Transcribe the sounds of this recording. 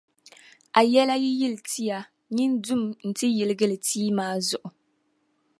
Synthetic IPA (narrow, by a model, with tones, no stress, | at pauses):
ʔa˨jɛ˦la˦ji˦ji˦ltʰi˦ja˨ | ɲi˦ndʊ˦mn̩˨tɨ˦jɪ˨lɨ˨ɡɨ˦lɨ˨tʰiː˦maː˦zʊ˨ʔʊ˨